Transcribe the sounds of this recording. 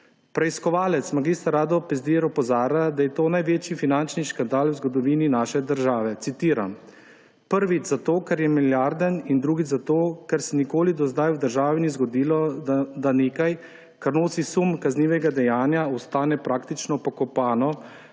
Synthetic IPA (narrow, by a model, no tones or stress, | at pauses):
pɾɛiskɔʋaːlɛt̪smaɡist̪aɾaːd̪ɔpɛzd̪iɛɾɔpɔzaːɾad̪ajɛt̪oːnajʋeːt͡ʃifinant͡ʃniʃkand̪aːlwzɡɔd̪ɔʋininaːʃɛd̪əɾʒaːʋɛt̪sit̪iːɾam | pəɾʋit͡ʃzat̪oːkaɾjɛmiljaɾd̪ənind̪ɾuːɡit͡ʃzat̪oːkɛɾsɛnikoːlid̪ɔzd̪ajwd̪əɾʒaːʋinizɡɔd̪iːlɔd̪aneːkaj | kaɾnoːsisumkazniːʋɛɡad̪ɛjaːnjaɔst̪aːnɛpɾaːkt̪it͡ʃnɔpɔkɔpaːnɔ